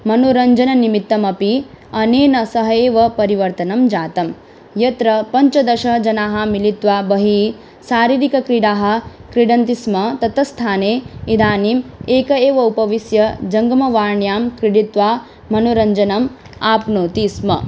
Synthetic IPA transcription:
mɐnoɾɐɲd͡ʒɐnɐnimit̪ːɐmɐpi | ɐneːnɐsɐɦɐeːʋɐpɐɾiʋɐɾt̪ɐnɐmd͡ʒaːt̪ɐm | jɐt̪ɾɐpɐɲt͡ʃɐd̪ɐʃɐɦd͡ʒɐnaːɦɐ̆milit̪ʋaːbɐɦi | saːɾiːɾikɐkɾiɽaːɦɐ̆kɾiɽɐnt̪ismɐt̪ɐt̪ɐst̪ʰaːneːid̪aːniːmeːkɐeːʋɐupɐʋisjɐd͡ʒɐŋɡɐmɐʋaːɾɳjaːmkɾiɽit̪ʋaː | mɐnoɾɐɲd͡ʒɐnɐm | aːpnoːt̪ismɐ

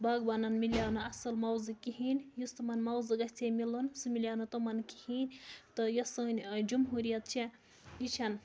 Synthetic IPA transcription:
baɡbɐnɐnmiljaːwnɨɐsɐlmɐwzɨkiɦinʲjust̪ɨmɐnmɐwzɨɡɐsʲt͡sʰʲemilunsɨmiljawnɐt̪omɐnki̥hinʲt̪ɨjɐsɐnʲd͡ʒumɦuɾijɐt̪̚t͡ʃʰe | jit͡ʃʰɐn

